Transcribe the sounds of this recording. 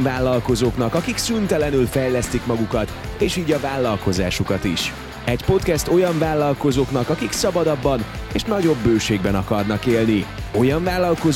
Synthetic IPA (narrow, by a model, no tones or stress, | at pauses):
vaːlːɒlko̞zoːknɒkɒkiksynt̪ɛlɛnylfɛjlɛst̪ikmɒɡukɒt̪ | eːʃiːɟɒvaːlːɒlko̞za̰ːʃukɒt̪ḭʃ | ɛɟpo̞t̪kɛst̪o̞jɒɱvaːlːɒlko̞zoːknɒkɒkiksɒbɒd̪ɒbːɒn | eːʃnɒɟo̞bːøːʃeːɡbɛnɒkɒrnɒkeːlnio̞jɒɱvaːlːɒlko̞z